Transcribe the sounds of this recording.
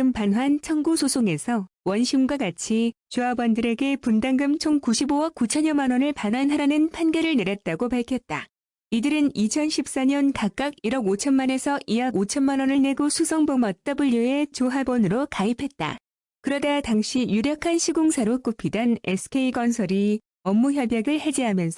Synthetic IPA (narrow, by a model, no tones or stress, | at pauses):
ɯmpanɦwant͡ɕʰʌŋɡusʰosʰoŋe̞sʰʌ | wʌnɕʰimɡwaɡat͡ɕʰit͡ɕuabʌndɯɾe̞ɡe̞pundaŋɡɯmt͡ɕʰoŋkuɕʰibowʌk̚k͈ut͡ɕʰʌɲʌnmanʌnɯɭpanwanɦaɾanɯnpʰanɡeɾɯɭneɾjʌt̚t͈aɡopaɭkʰjʌt̚t͈a | idɯɾɯnit͡ɕʰʌnɕʰip̚s͈aɲʌnkak͈aɡiɾʌɡot͡ɕʰʌnmane̞sʰʌʔijaɡot͡ɕʰʌnmanʌnɯɭne̞ɡosʰusʰʌŋbomʌt̚t͈ʌbɯʎːue̞t͡ɕoɦabʌnɯɾokaipʰe̞t̚t͈a̰ | kɯɾʌdataŋɕʰijuɾjʌkʰanɕʰiɡoŋsʰaɾok͈upʰidanesʰɯ̥kʰe̞iɡʌnsʰʌɾi | ʌmːuçjʌbjaɡɯɭhe̞d͡ʑiɦamjʌnsʰʌ